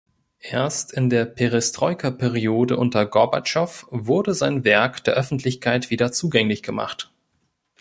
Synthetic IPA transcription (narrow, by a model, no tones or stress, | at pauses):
ʔeːɐstɪndeːɐpʰeʁɪstʁ̥ɔʏkʰɐpʰɛʁioːdəʔʊntɐɡɔɐba̰t͡ʃɔfvʊɐdəzaɪnvɛɐkd̥eːɐʔœfn̩tʰlɪçkʰaɪtv̥iːɾɐt͡suːɡɛŋlɪçɡ̥əma̰χt